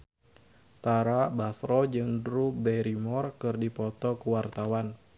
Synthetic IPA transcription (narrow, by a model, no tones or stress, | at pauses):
t̪aɾabasɾɔd͡ʒɨŋdɾubɛɾimɔrkɨrdipɔt̪ɔkəwart̪awan